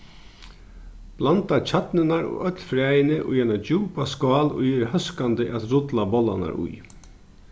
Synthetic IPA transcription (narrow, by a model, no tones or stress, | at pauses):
b̥lant̪at͡ɕʰat̪nɪnaɾo̰ːʔœt̪lfɾajɪnəʔʊ̰jɛnad͡ʒuːpaskɑːlʊ̰jɛɾhœskand̪əʔat̪ɾʊt̪labɔlːa̰na̰ɾʊ̰j